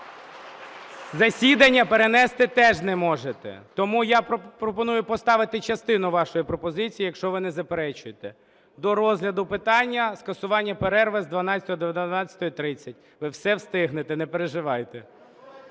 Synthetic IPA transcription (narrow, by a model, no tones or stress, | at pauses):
zɐsʲid̪ɐnʲːɐpeɾenɛst̪ɪt̪ɛʒnɛmɔʒet̪ɛ̰t̪ɔmujappɾɔpɔnujʊpɔst̪ɑʋɪt̪ɪt͡ʃɐst̪ɪnʊʋɑʃɔjipɾɔpɔzɪt͡sʲijijɐkʃt͡ʃɔʋɪnɛzɐpeɾɛt͡ʃʊjet̪ɛ | d̪ɔɾɔzlʲɐd̪ʊpɪt̪ɑnʲːɐskɐsʊʋɑnʲːɐpeɾɛrʋezd̪ʋɐnɑt͡sʲɐt̪ɔɔd̪eʋjt̪nɑt͡sʲɐt̪ɔjit̪ɾɪt͡sʲːɐt̚ʲ | ʋɪwsɛwst̪ɪɦnet̪ɛnɛpeɾeʒɪʋɑjt̪ɛ